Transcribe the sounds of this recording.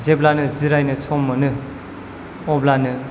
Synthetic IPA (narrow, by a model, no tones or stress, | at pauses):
zeblanɯziɾajnɯsɔmːɯnɯ | ɔblanɯ